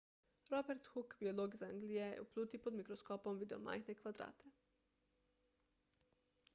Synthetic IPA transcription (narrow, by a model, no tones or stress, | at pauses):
ɾɔbɛɾt̪xukbioloːɡzaŋɡlijɛjɛ̰ṵpluːt̪ipɔd̪mikɾɔskoːpɔmʋiːd̪ɛɔma̰jxnɛkʋad̪ɾa̰ːt̪ʰe